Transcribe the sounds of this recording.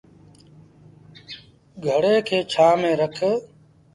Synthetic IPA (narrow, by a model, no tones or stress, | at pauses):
ɡʱəɽeːkʰeːt͡ʃʰaːmẽːɾəkʰə